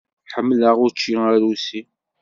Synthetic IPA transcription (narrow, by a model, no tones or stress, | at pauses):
ħəmːləʁʊɾt͡ʃːiəɾusi